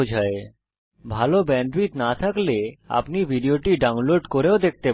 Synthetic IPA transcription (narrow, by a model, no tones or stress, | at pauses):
d͡ʑʱae | bʱalobɛɳɖɾit̪nat̪ʰaklea̰pnibʱiɖioʈiɖawnloɖkoɾeod̪ek̚t̪e